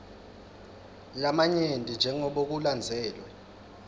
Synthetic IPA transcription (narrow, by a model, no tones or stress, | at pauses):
lamaɲentʼind͡ʒʱɛŋɔɓok̬uland͡zʱɛːlwɛ